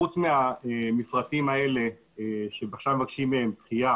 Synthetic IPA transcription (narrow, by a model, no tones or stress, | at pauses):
ut͡smeaemifʁatimae̞le̞ | ʃebaχʃamvakʃimːeempχija